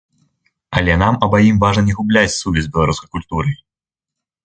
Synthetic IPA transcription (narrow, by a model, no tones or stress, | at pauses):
ɐlʲɛnamɐbajimvaʐnɐnʲɛɣublʲat͡sʲsuvʲɛzʲbʲɛlˠaɾuskɐjkulʲt̪uɾɨ